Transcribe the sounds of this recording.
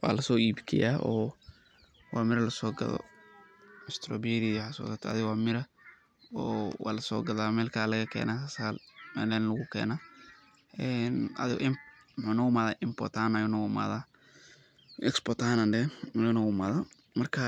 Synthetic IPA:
wa̰ːlɐsɔːiːbkʰɛ̰jaːʔɔː | wɑaːmɪɾɐlɐsɔːɡɐ̰ðɔ̰ | ɐst̪ʰɾɔbɛːɾɪħasɔ̰ːɡɐt̪ʰːɐðɪɣwaːmɪɾɐ | ɔːwa̰ːlɐsɔ̰ːɡɐðaːmɛːlkʰaːlɐɣɐkʰɛ̰ːnaːkɐsaːlmɛ̰ːlanlɐɣʊkʰɛ̰ːnaː | ʔɛːnɐ̰ðɪɣɔʔɪm | mʊħunɐɣʊmaːðaːʔɪmpɔ̰t̪aːnajʊnɐɣʊma̰ːða | ɛkspɔt̪aːnɐndɛmnɐɣʊma̰ːða | mɐrkʰɐ

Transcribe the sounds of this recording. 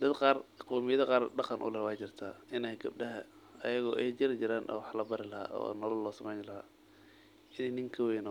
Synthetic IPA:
d̪ɐd̪qɑːrqɔːmɪjɐðɐqɑːrɖɑqɑnʔʊ̰lɛwɑːt͡ʃɪrt̪ʰaːɪnɛjɡɐb̚ɖɐɦɐ | ɐjɐɣɔːʔɛjd͡ʒɪɾɪt͡ʃɪɾaːnʔɔ̰ːwħlɐbɐɾɪlɐɦa̰ːʔɔ̰ːnɔlɐlːɔːsɐmɛjnlɐha̰ː | ʔɪnɛjnɪŋkʰɐwɛjnɔ

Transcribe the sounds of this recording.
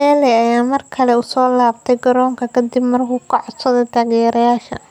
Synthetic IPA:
ɛːlɛɐjaːmɐrkʰɐlɛʊsɔːlaːbt̪ʰɛjɡɐɾɔːŋkʰɐkʰɐd̪ɪbmɐrkʰʊːkʰɐʕɔsɐðɛt̪ʰaːɣɛːɾɐjaːʃɐ̰

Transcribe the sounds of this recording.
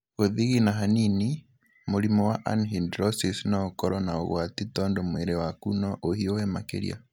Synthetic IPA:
ɣoðiɣinaɦanini | moɾimɔwaʔa̰nɦindɾɔsisnaokɔɾɔnao̰ɣwatitɔːndomweɾewakunɔʔohiohɛmakḛɾḭa̰

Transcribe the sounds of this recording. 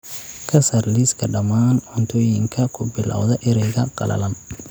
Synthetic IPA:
kʰɐsɐrliːskʰɐɖɐmaːnʕʊnt̪ʰɔːjɪŋkʰɐkʰʊbɪla̰wðɐʔɪɾɛjɣɐqɑ̰lɐ̰lɐm

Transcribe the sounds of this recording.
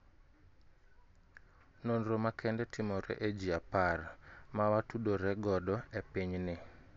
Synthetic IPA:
nonɾomakʰɛndɛtʰimɔɾɛ̰ʔed͡ʒiaparmawatuɗoɾɛɡɔdɔepiɲnɪ

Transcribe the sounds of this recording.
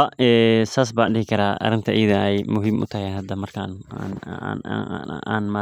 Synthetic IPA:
ɐɛːsaːs̬baːnɗɪhɪkʰɐɾaːʔɐ̰ɾɪnt̪ʰɐʔiːðɐɛjmʊɦiːmʔʊ̰t̪ʰɐhɛɦɐd̪ɐmɐrkʰananːnaːnmaː

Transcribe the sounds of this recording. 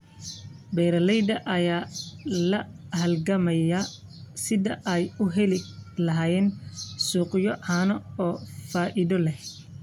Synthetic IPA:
bɛːɾɐlɛjd̪ɐʔɐjaːlɐhɐlɡɐmɐjɐ | sɪðɐʔɛjʊɦɛlɪlɐɦaːjɛːnsuːqjɔʕaːnɔɔːfaːʔɪðɔlɛh

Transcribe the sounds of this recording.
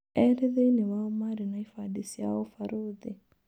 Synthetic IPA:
ɛɾeðeineβaomaɾinaifadisia̰ofaɾoːði

